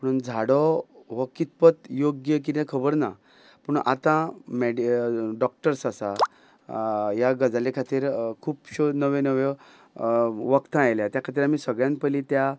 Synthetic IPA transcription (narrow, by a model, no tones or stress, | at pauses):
pəɽ̃und͡zʱaɽɔʋɔkit̪̚pət̪joɡjək̬it̪ɛ̃kʰəbəɾna̰ | pəɳa̰t̪ãmeɖiɖɔk̚ʈəɾsasa | jaɡəd͡zalekʰat̪iːɾkʰuːpɕonəʋẽnəʋe | ʋəkt̪ə̃ajljat̪jakʰat̪iːɾamiːsəɡɭjãnpəlit̪ja